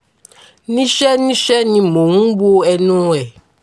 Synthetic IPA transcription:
nĩ˦ʃɛ˦nĩ˦ʃɛ˦nĩ˨mõ˨ŋũ˦bu˦o˦ɛ˨nũ˦ɛ˨

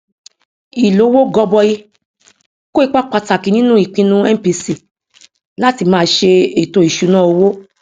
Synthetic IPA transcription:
i˨lo˨˦wo˦ɡɔ˧bɔ˧ji˧ | ko˦i˧k͡pa˦k͡pa˧ta˨ki˨˧nĩ˦nũ˦i˦˨k͡pĩ˧nũ˦ɛ˦˨pi˧si˦˨ | la˦ti˧mãː˦˧˦ʃe˧e˨to˧i˨ʃu˨˧nã˦o˧wo˦

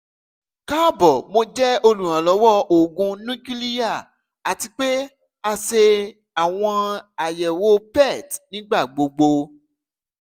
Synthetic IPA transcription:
ka˦bɔ˨mo˧d͡ʒɛ˦o˧lũ˨ɾ̃ã˨lɔ˨˦wɔ˦o˨ɡũ˧nũ˦ki˦li˦ja˦˨ | a˨ti˧k͡pe˦ | a˧ʃe˧ | a˨w̃ɔ̃˧a˨jɛ˨wo˦pɛ˦˨tnĩ˨˦ɡ͡ba˦˨ɡ͡bo˧ɡ͡bo˧

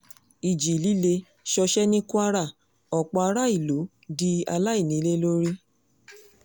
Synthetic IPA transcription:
i˨d͡ʒi˨li˨˦le˧ | ʃɔ˧ʃɛ˦nĩ˦ku˦a˦ɾa˦˨ | ɔ˨k͡pɔ˧a˧ɾa˦i˦˨lo˨˦ | di˦a˧la˦i˦˨nĩ˨˦le˦lo˦ɾi˦

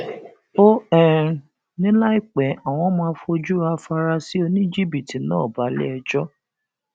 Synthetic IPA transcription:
o˦ɛ˦˨ | nĩ˦la˦i˦˨k͡pɛ˨˦a˨w̃ɔ̃˧˦mãː˧˦˧fo˧d͡ʒu˦ɾa˧fa˧ɾa˧si˦o˧nĩ˦d͡ʒi˦˨bi˨ti˨nãː˦˨ba˨˦lɛ̰˦ɛ˧d͡ʒɔ˦

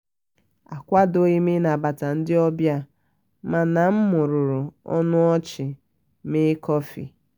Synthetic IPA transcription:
a˨kʷa˦do˦ɣi˦me˦na˨ba˨ta˨n̩˦dɪ˦ɔ˦bja˦ | ma˨na˨m̩˦mʊ˨ɾʊ˨ɾʊ˨ɔ̰˦nʊ˦ɔ˦t͡ʃɪ˨ | mɪ˦kɔ˦fḭ˨

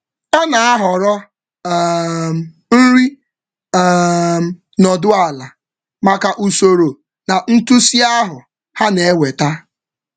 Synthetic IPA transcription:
ɔ˦na˨a˦ɦɔ˨ɾɔ˦˨ | n̩˦ɾi˦˨ | m̩˨ | nɔ˨dʊ˦a˨la˨ | ma˨ka˨ʔu˨so˨ɾo˨ | na˨n̩˦tu˦si˦a˦ɦʊ˨ | ha˦ne˨˦we˨ta˦

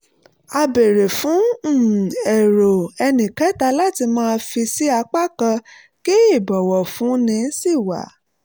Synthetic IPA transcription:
a˧be˨ɾe˨fũ˨˦˨ | ɛ˨ɾo˨ɛ˧nĩ˨kɛ˦ta˧la˦ti˧mãː˦˧˦fi˧si˦a˧k͡pa˦˨kã˧ | ke˦i˦˨bɔ˨wɔ˨fũ˨˦nĩ˧˦si˦˨wa̰˨˦

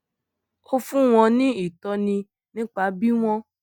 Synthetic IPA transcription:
o˦fũ˦w̃ɔ̃˧nĩ˦i˦˨tɔ˧nĩ˧ | nĩ˦k͡pa˧˦bi˦w̃ɔ̃˦

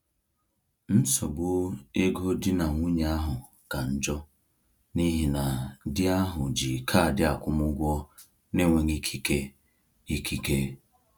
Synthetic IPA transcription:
n̩˦sɔ˨bʊ˦e˦ɡo˦dɪ˦na˨ŋʷu˦ɲ˨a˦ɦʊ˨ | ka˨n̩˨d͡ʒɔ˦ | ni˦ɦi˨na˨dɪ˦a˦ɦʊ˨d͡ʒi˨kʰa˦˨dɪ˦a˨kʷʊ˦mʊ˦ɡʷɔ˦ | ne˦ŋʷe˨ŋi˦kʰi˦ke˦ | i˦ki˦ke˦

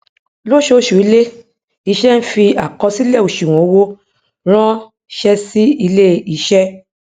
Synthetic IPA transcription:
lo˦ʃo˧˦˨ʃu˨i˨˧˦le˦ | i˧ʃɛ˦n̩˦fi˧a˨kɔ˧si˦lɛ˦˨o˨ʃĩ˨ɔ̃˨o˨˦wo˦ | ɾ̃ã˦ | ʃɛ˦si˦i˧le˦i˧ʃɛ˦

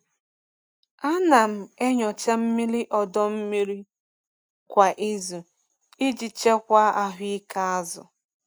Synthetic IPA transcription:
a˦na˨m̩˨e˦ɲɔ˨t͡ʃa˦m̩˦mi˦ɾi˦ʔɔ˨dɔ˦m̩˦mi˦ɾi˦ | kʷa˨ʔi˦zu˨ | ɪ˦d͡ʒi˨t͡ʃe˦kʷa˦a˦ɦi˦ka˦a˦zʊ̰˨

